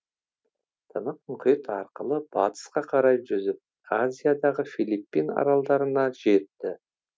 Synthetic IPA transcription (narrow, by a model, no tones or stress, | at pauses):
t̪ʰənəq̚mʊqijt̪ɑɾqəlˠəb̥ɑt̪ə̥sqɑqʰɑɾɑjʒʏzɪp̚ | azʲijad̪ɑʁəfilipːinɑ̰ɾɑlˠd̪ɑɾənɑʒe̞t̪ːɪ